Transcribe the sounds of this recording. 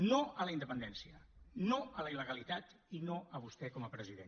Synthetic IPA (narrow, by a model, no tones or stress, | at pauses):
noələind̪əpənd̪ɛnsiənoələiləɣəlit̪at̪ | inoəβ̞ust̪ɛkɔməpɾəziðḛn